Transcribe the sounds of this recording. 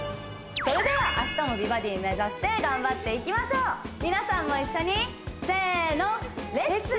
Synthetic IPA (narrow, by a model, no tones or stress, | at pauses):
so̞ɾe̞d̪e̞βaʔaɕi̥t̪amo̞bʲibad̪ʲiɲne̞zaɕi̥t̪e̞ɡãmbat̪ːe̞ikʲimaɕo̞ːmʲinasãmːo̞iɕːo̞ɲ̟i | se̞ːno̞ɾeɾet͡sɨ